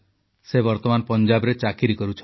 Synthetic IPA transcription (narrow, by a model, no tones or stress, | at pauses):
sebɔɾt̪ɔmanɔpɔnd͡ʒabɔɾet͡ʃakiɾikɔɾut͡ʃʰ